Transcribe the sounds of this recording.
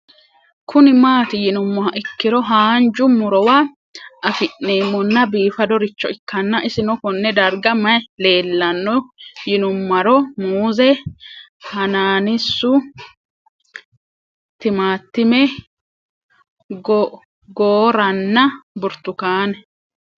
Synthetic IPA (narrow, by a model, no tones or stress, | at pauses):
kʰʊnɪmaːt̪ɪjɪnʊmːɔɦɐʔɪkːɪɾɔɦaːnd͡ʒʊmʊɾɔwa | ɐfɪʔːeːmːɔnːɐbiːfɐd̪ɔɾɪt͡ʃːɔɪkːɐnːɐʔɪsɪnɔkɔnːɛd̪ɐɾɡɐmɐle̞ːlːɐnːɔjɪnʊmːɐɾɔmuːzɛ | hɐnaːnɪsːʊ | t̪ɪmaːt̪ːɪmɛ | ɡ | ɡoːɾɐnːɐbʊɾt̪ʊkaːnɛ